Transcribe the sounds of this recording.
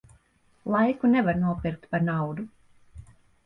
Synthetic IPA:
lˠajkunɛvaɾnuɔpiɾk̚t̪paɾnawd̪u

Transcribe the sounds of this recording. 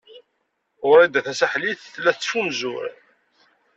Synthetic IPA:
ʊɾæd̪æθæsæħliθθlːæθt͡sːfunzʊ̰ɾ

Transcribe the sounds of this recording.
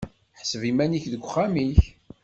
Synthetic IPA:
ħsəvimæniçðəɡʷːχːamiç

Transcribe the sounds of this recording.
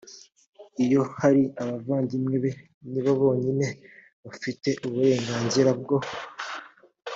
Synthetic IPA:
ijo̞haɾiaβavaːndimŋe̞βe̞ | niβaβo̞ːɲine̞ | βafite̞ʔuβuɾe̞ːŋɡaːnziɾabɡo

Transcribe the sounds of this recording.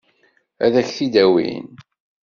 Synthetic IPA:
æðæçθid̪æwḭn

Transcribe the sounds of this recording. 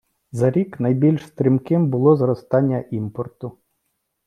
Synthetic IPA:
zɐɾʲiknɐjbʲilʲʃst̪ɾʲimkɪmbʊlˠɔzɾɔst̪ɑnʲːɐʔimpɔrt̪ʊ

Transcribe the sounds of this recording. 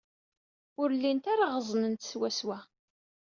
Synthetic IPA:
ʊɾlːint̪aɾaʁəzˤnənt̪swæswæ

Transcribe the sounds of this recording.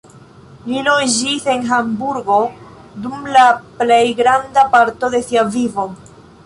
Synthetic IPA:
lilod͡ʒise̞nɦambuɾɡo̞ | dumlaplejɡɾandapaɾto̞de̞siavivo̞

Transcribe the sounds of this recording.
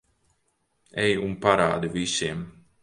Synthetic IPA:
ɛjunpaɾa̰ːd̪ivisiɛm

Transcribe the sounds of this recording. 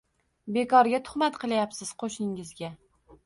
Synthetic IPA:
bekʰɒɾɡʲat̪ʰʊ̥χmat̪qʰɨlˠajapsɪz̥qʰoʃnɪŋɪzɡʲa

